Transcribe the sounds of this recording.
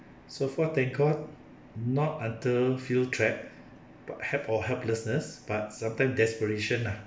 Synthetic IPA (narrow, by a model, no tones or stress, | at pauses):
sofɔtɛ̃ŋkʰɔt̚ | nɔt̚ãntəfiltʰɹɛp̚ | b̥a̰thɛpɔhɛlpləsnəsb̥at̚sãmtãɪ̃msdɛspəɹeʃə̃na